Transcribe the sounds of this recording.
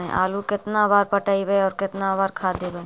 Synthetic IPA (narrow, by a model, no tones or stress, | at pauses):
ḛ̃ʔa̰ːlukɪt̪nabaːɾpəʈaːibəeɔːɾkɪt̪nabaːɾkʰaːd̪eːbəe